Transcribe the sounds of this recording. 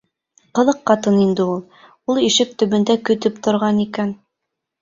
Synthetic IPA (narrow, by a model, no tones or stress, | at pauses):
qɤ̆ðˠɤqːɑt̪ɤnind̪ɘulˠ | ulˠiʃɘk̚t̪ɵ̆βɵ̆nd̪ækɵ̆t̪ɘpt̪ŏɾʁɑnikæn